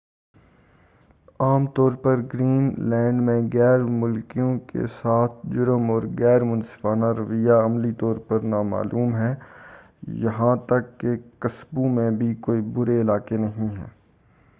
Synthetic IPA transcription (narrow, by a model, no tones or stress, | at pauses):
aːmt̪ɔːɾpɐɾɡɾiːnlɛ̃ːɳɖmẽɣɛːɾmʊlkijõkḛsaːt̪ʰd͡ʒʊɾəmɔːɾɣɛːɾmʊ̃nsɪ̥faːnaɾɐʋɪjaɐmlit̪ɔːɾpɐɾnaːma̰ːlʔuːmɦɛː | jɐɦãt̪ɐkːekɐsbũmẽbʱikoːibʊɾeɪlaːkenɐɦĩɦɛ̰ː